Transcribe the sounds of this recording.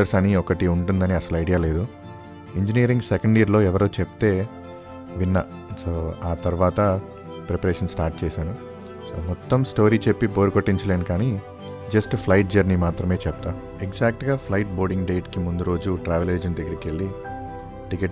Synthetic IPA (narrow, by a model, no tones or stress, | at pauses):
ɐɾsɐniɔkɐʈiuɳʈund̪ɐniɐsɐluɐjɖijaːle̞ːd̪u | iɲd͡ʒiniːɐɾiŋɡsɛkɐɳɖiːɾlo̞ːɛʋɐɾoːt͡ʃept̪e̞ː | ʋinːɐ | soːaːt̪ɐɾuʋaːt̪ɐ | pɾepɐɾeːʂɐnsʈaːɾʈ̚t͡ʃɛːsaːnu | so̰ːmɔt̪ːɐmsʈo̞ːɾiːt͡ʃe̞pːipo̞ːɾukoʈːiɲt͡ʃɐleːnukaːni | d͡ʒɐsʈpʰlɐjʈ̚d͡ʒɐɾnimaːt̪ɾɐme̞ːt͡ʃɛp̚t̪aː | eɡzaːk̚ʈɡaːpʰlɐjʈ̚bo̞ːɾɖiŋɡɖe̞ːʈkimund̪uɾo̞ːd͡ʒuʈɾaːʋele̞ːd͡ʒnid̪ɐɡːɐɾikelːi | ʈike